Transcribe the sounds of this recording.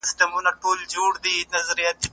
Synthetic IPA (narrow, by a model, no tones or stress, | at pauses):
ɪst̪əmunaʈoːld͡ʒoːɽd̪inɐzɾijat̪̚